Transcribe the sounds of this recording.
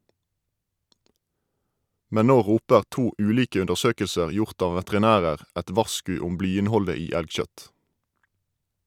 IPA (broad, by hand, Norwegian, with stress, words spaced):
ˈmɛn ˈnoː ˈʁuːpəʁ ˈtuː ˈʉːˌliːkə ʉndəʁˈsøːkəlsəʁ ˈjʊʁt ˈɑː ʋətʁɪˈnæːʁəʁ ˈɛt ˈʋɑʁˌskʉː ˈʊm ˈblyːɪnˌhɔlə ˈiː ˈælɡˌʃœt